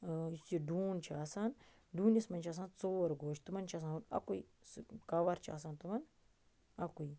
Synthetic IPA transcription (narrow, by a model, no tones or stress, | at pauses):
isiɖuːnt͡ʃʰiaːsan | ɖuːnjɐsmɐnʲt͡ʃʰaːs̬aːnt͡soːɐɾɡoːʃt̪umɐnt͡ʃʰas̬anunɐ̰kui | skaʋaɾt͡ʃʰia̰ːsaːnt̪umɐn | ɐkui